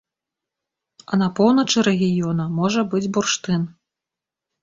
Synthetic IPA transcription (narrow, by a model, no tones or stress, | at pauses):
ɐnɐpɔwnɐt͡ʂɨɾɛɣʲijɔnɐmɔʐɐbɨd͡zʲburʂt̪ɨn